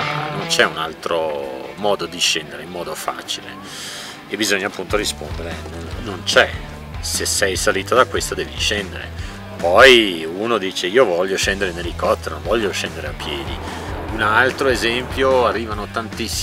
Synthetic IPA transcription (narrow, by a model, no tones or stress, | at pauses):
anont͡ʃɛunalt̪ɾomɔːd̪od̪iʃɛnd̪eɾeimmɔːd̪ofa̰ːt͡ʃilḛ | ebizoɲːaːpːunt̪oɾispond̪eɾenonːont͡ʃɛ | sesːɛjsaliːt̪od̪akːwest̪od̪ɛːviʃɛnd̪eɾḛ | pɔjunod̪iːt͡ʃeiːovɔʎːoʃɛnd̪eɾenelːikɔt̪ːeɾnõvɔʎːoʃɛnd̪eɾeapːjɛːd̪ḭ | unalt̪ɾoezɛmpjoarːiːvanot̪ant̪isː